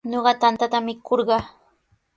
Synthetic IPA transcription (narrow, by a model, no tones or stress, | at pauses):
ɲoɢɑt̪ant̪at̪amɪkʰoɾɢɑ